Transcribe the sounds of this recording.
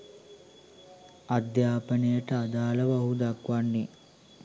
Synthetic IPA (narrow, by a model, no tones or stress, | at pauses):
ɐd̪jaːpɐnejɐʈɐad̪aːlɐʋɐɦud̪akʋanːi